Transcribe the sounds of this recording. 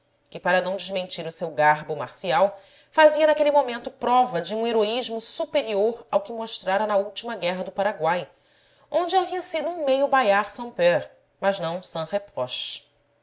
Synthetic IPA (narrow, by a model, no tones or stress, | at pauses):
kɪpaɾɐnɐ̃w̃d͡ʒɪʒmẽnt͡ʃiɾʊsewɡaɦbʊmaɾsiaw | faziɐnakelɪmomẽnt̪ʊpɾɔvɐd͡ʒɪũeɾoiʒmʊsupeɾioɾawkɪmoʃt̪ɾaɾɐnɐuwt͡ʃimɐɡɛɦɐd̪ʊpaɾaɡwaj | õnd͡ʒɪaviɐsid̪ʊũmejʊbajaɾsɐ̃w̃pɛɾ | mɐʒnɐ̃w̃sɐ̃hepɔʃ